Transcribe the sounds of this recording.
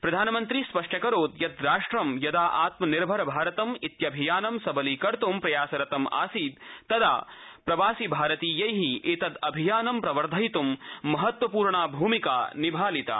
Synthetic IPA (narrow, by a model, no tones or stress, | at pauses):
pɾɐd̪ʱaːnɐmɐnt̪ɾispɐʂʈɐkɐɾoːd̪jɐd̪ɾaːʂʈɾɐmjɐd̪aːʔaːt̪mɐniɾbʱɐɾɐbʱaːɾɐt̪ɐmit̪jɐbʱijaːnɐmsɐbɐliːkɐɾt̪umpɾɐjaːsɐɾɐt̪ɐma̰ːsiːd̪ːɐd̪a̰ːpɾɐʋaːsibʱaːɾɐt̪iːjɐjɦiʔet̪ɐd̪ɐbʱijaːnɐmpɾɐʋɐɾd̪ʱɐjt̪umːɐɦɐt̪wɐpuːɾɳaːbʱuːmika̰ːnibʱaːlit̪a̰ː